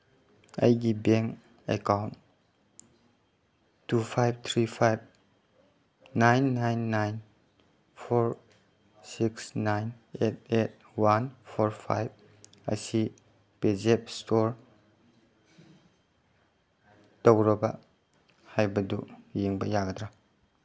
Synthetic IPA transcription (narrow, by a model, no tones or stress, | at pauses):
ɐ̰jɡibeŋk | ḛkawnt | upʰajb̚t̪ʰɾipʰajb̚ | najnːajnːajn | pʰoɾ | siksnajnet̚et̚ | wanpʰoɾpʰa̰jb̚ | a̰si | pezep̚stoɾ | towɾɐbɐ | hajbɐdujeŋbɐjaɡɐd̪ɾa